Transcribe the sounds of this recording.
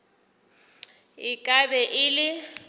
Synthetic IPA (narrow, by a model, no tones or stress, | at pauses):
ɪkʼabɛʔɪlɪ